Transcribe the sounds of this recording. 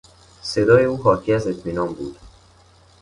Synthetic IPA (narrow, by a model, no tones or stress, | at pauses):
se̞d̪ɒːje̞uːɦɒːcʰiæze̞t̪ʰmiːnɒːnbṵːd̪̥